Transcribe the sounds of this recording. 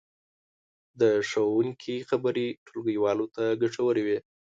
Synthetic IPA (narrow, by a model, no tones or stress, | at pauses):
d̪əʂawuŋkʰixabaɾiʈʰolɡəjwɑlot̪aɡaʂawəɾiwi